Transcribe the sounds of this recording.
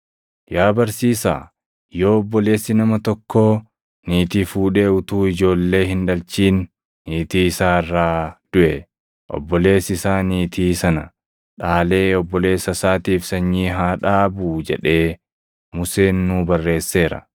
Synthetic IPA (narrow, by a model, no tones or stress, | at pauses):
jaːbɐɾsiːsa̰ː | jo̞ːɔbːɔle̞ːsːɪnɐmɐt̪ɔkːoː | niːt̪iːfuːᶑe̞ːʊt̪uːɪd͡ʒo̞ːlːe̞ːhɪnᶑɐlt͡ʃiːnː | iːt̪iːɪsaːrːaːd̪̥ʊʔɛ | ʔɔ̰bːɔle̞ːsɪsaːniːt̪ʰiːsɐnɐ | ᶑaːle̞ːɔbːɔle̞ːsɐsaːt̪iːfsɐɲːiːɦaːᶑaːbuːd͡ʒɛᶑe̞ː | mʊse̞ːnːuːbɐrːe̞ːsːe̞ːɾɐ̰